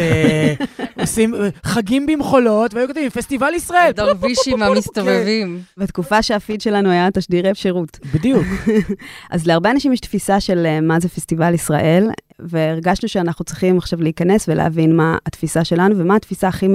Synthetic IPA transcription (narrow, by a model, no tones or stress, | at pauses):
osimχaɡimbimχolo̞tveajukot̪vĩmfest̪ivalisʁaeld̪aʁviʃʃimamist̪ovevimbetkufaʃeafidʃe̞lanuajataʃdiʁeefʃeʁutbid̪ijuk | ʔazleaʁbeanaʃimjɛʃtfisaʃe̞lmazefestivalisʁa̰ʔe̞l | ve̞ːʁɡaʃnuʃeanaχnut͡sʁiχimaχʃavleːkɐne̞svelḛa̰vinmaːtfisaʃe̞lanuvemaːtfisaːχi